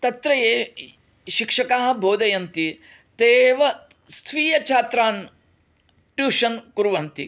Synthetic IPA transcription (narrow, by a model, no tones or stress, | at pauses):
t̪ɐt̪ɾɐjeː | ʃikʂɐkaːɦɐ̆bʱoːd̪ɐjɐnt̪i | t̪eːʋɐst̪ʰʋiːjɐt͡ʃʰaːt̪ɾaːn | ʈjuːʂɐnkuɾʋɐnt̪i